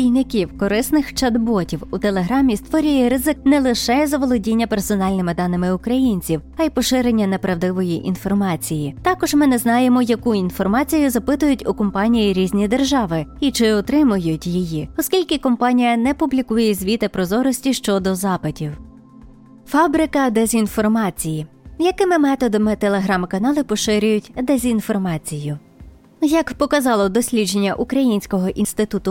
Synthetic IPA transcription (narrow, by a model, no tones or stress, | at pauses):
ijnɪkʲiwkɔɾɪsnɪxt͡ʃɐd̪bɔtʲiwut̪elˠeɦɾɑmʲist̪ʋɔɾʲʊjɛɾɪzɪknɛlˠɪʃɛzɐʋɔlˠɔdʲinʲːɐpersɔnɑlʲnɪmɪd̪ɑnɪmɪʊkɾɐjinʲt͡sʲiw | ɐjpɔʃɪɾenʲːɐnɛpɾɐwd̪ɪʋɔjiʔḭnfɔrmɑt͡sʲijit̪ɑkɔʒmɪnɛznɑjemɔjɐkuinfɔrmɑt͡sʲijʊzɐpɪt̪ʊjʊtʲʊkɔmpɑnʲijiɾʲizʲnʲid̪erʒɑʋɪit͡ʃɪɔt̪ɾɪmʊjʊtʲjijiɔskʲilʲkɪkɔmpɑnʲijɐnɛpʊblʲikujɛzʲʋʲit̪ɪpɾɔzɔɾɔsʲtʲiʃt͡ʃɔd̪ɔzɑpɪtʲiw | fɑbɾɪkɐd̪ezʲinfɔrmɑt͡sʲijijɐkɪmɪmɛt̪ɔd̪ɐmɪt̪elˠeɦɾɑmkɐnɑlˠɪpɔʃɪɾʲʊjʊtʲd̪ezʲinfɔrmɑt͡sʲijʊ | jɐkpɔkɐzɑlˠɔd̪ɔsʲlʲid͡ʒenʲːɐʔukɾɐjinʲsʲkɔɦɔʔinst̪ɪt̪ut̪ʊ